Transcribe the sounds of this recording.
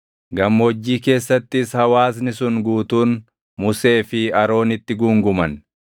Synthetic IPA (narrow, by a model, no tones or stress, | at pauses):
ɡɐmːwɔd͡ʒːiːke̞ːsːɐt̪ːɪshɐwaːs̬nɪsʊnɡuːt̪uːn | mʊse̞ːfɪɐɾo̞ːnɪt̪ːɪɡuŋɡʊmɐn